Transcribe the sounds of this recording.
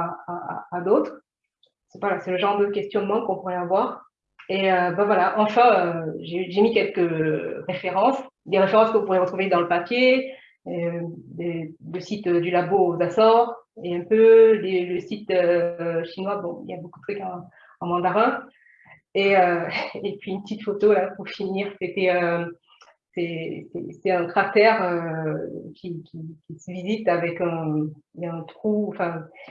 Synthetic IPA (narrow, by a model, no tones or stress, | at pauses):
aaa̰ːd̪ot̪χ | sɛvwalasɛləʒɑ̃ʁd̪əkʲɛst̪jɔnmɑ̃kɔ̃puʁɛavwaʁ | eøbavwalaʔɑ̃fɛ̃øʒeyʒemikʲɛlkəʁefeʁɑ̃sd̪eʁefeʁɑ̃skəvũpuʁeʁət̪χuved̪ɑ̃ləpapje | eleləsit̪ød̪ylaboozasɑ̃ʁeɛ̃pøleləsit̪øʃinwabɔ̃ḭljabokud̪ət̪ʰχykɑ̃ | ɑ̃mɑ̃d̪aʁɛ̃ | eøepɥiynpət̪it̪fot̪olapuʁfiniʁset̪ɛø | sɛsɛ̰sɛɛ̃kχat̪ɛʁø | kʲikʲikʲisəvizit̪avɛkɛ̃ | ɛ̃t̪χuɑ̃fɛ̃